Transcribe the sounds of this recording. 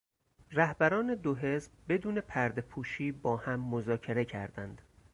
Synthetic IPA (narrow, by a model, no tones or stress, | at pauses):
ræhbæɾɒːne̞d̪oɦe̞zb̚be̞d̪uːne̞pʰæɾd̪epʰuːʃiːbɒːhæmːozɒːcʰe̞ɾe̞cʰæ̰ɾd̪ænd̪̥